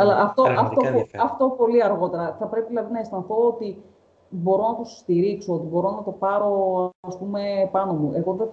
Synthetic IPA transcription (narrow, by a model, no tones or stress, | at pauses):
ɐlɐʔɐft̪oɐft̪opɐft̪o̞po̞liɐɾɣo̞t̪e̞ɾɐθɐpɾe̞piðilɐðinɐest̪ɐnθo̞ot̪i | bo̞ɾo̞nɐt̪osst̪iɾikso̞ot̪ibo̞ɾo̞nɐt̪o̞pɐɾo̞ɐspume̞pɐno̞muʔe̞ɣo̞ðe